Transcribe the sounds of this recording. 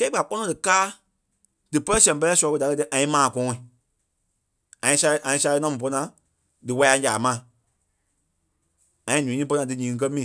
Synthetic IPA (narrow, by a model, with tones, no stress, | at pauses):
kɛ˦i˦ɓa˨k͡pɔ˦nɔ̃˧dɨ˨kaː˦ | d̥ɨ˨pə˦lɛ˦sɛ̃˨pɜ˧lɛː˦sbə˧da˨kə˧ɨ˧ʔã˨ĩ˦mãː˨kɔ̃ː˨˦ĩ˨ | ã˨ĩ˧˦sa˧˦ʔã˨ĩ˧˦sa˧˦˧nã˧˦mũ˨pɔ˧nã˨˦ | dɨ˨wa˧˦a˧˦d͡ʒaː˨mã˨ | ã˨ĩ˦nũ˨˦ĩː˦p̬ɔ˧˦nã˧dɨ˨˦ɲĩː˨ŋ̩˧k̬ɜ˦mĩː˨